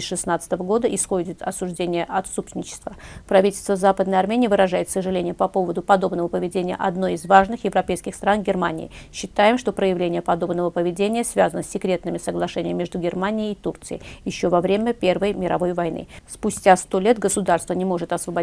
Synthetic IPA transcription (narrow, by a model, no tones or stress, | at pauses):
ʂɨsnat̪sə̥t̪əvəɡo̞d̪əʔɪsxo̞dʲɪt̪ɐsʊʐdʲenʲɪjəʔɐt̪supsʲɪnʲɪt͡ɕːɪ̥st̪vəpɾɐvʲitʲɪlʲst̪vəzapəd̪nəjɐrmʲenʲɪjvɨɾɐʐajɪt̪səʐɨlʲenʲɪjəpɐpo̞vəd̪ʊpɐd̪o̞bnəvəpəvʲɪdʲenʲɪjə̰ʔɐd̪no̞jɪzvaʐnɨxjɪvɾɐpʲejskʲɪxst̪ɾanɡʲɪrmanʲɪ̰ɪ̰ɕːɪt̪ajɪmʂt̪opɾəjɪvlʲenʲɪjəpɐd̪o̞bnəvəpəvʲɪdʲenʲɪjəsvʲazənəsʲːɪkɾʲe̞t̪nɨmʲɪsəɡlˠɐʂɛnʲɪəmmʲːeʐd̪ʊɡʲɪrmanʲɪɪːt̪urt̪sɨjɪ̰jɪɕːo̞vɐvɾʲemʲəpʲe̞rvəjmʲɪɾɐ̰vo̞jvɐjnɨ̰spʊsʲtʲast̪o̞lʲe̞t̪ɡəsʊd̪arst̪vənʲɪmo̞ʐɨt̪ɐsvəbɐ